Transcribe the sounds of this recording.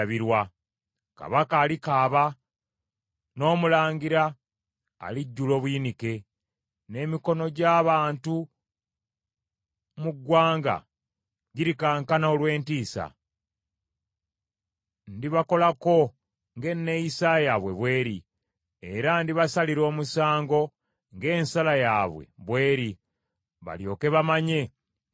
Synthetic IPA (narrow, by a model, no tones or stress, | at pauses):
βiɾwa | ka̰βakaːlikaːβa | no̞ːmulaːŋɡiɾa̰ː | liɟːulo̞ːβujinike̞ | ne̞ːmiko̞no̞ɟaːβaːntu | muɡwaːŋɡa̰ | ɟiɾikaːŋkanaolwe̞ːntiːsa̰ | ndiβako̞lako̞ | ŋɡe̞nːejisajaβwe̞̰βwe̞ːɾi | eɾandiβasaliɾo̞ːmusaːŋɡo̞ | ŋɡe̞ːnsalajaːβwe̞̰βwe̞ːɾi | βa̰ljo̞̰ːke̞βamaɲe̞